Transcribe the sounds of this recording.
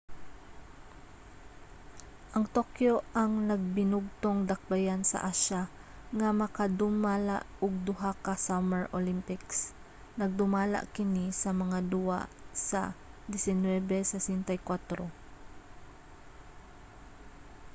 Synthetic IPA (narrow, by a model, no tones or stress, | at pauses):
ʔɐŋt̪okjo̞ʔɐŋnɐɡ̚bɪnʊɡ̚t̪oŋd̪ɐk̚bajansɐ̰ʔaʃa | ŋamɐkad̪ʊmaːla̰ʔʊɡ̚d̪ʊɦakasamɛɹʔolimpɪks | nɐɡ̚d̪ʊmaːla̰ʔkɪnisɐmɐŋad̪ʊwa̰sɐ̰d̪ɛsɪnwɛbɛsɐsɪnt̪ɐjkwat̪ɾo